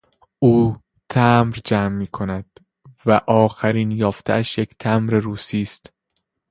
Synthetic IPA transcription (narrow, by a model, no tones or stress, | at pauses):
ʔuː | t̪ʰæmɾd͡ʒæːmːiːkʰo̞næd̪̥ | væʔɒːxæɾiːnjɒːft̪ʰeæʃje̞cʰt̪ʰæmɾe̞ɾuːsiːst̪